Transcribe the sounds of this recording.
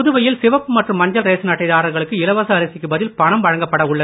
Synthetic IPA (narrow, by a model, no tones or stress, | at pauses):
ʊðɯʋɐjɪlsɪʋɐpːɯmɐʈrɯmːɐɲd͡ʒɐlɾeːsɯnɐʈːɐɪðaːɾɐɾɣɐɭɯkːɯɪlɐʋɐsɐːɾɐsɪkːɯbɐðɪlpɐɳɐmʋɐɻɐŋɡɐpːɐɽɐʊɭːɐ